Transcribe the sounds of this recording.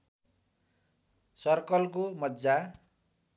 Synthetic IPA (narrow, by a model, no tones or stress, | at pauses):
sʌrkʌlkomʌd͡za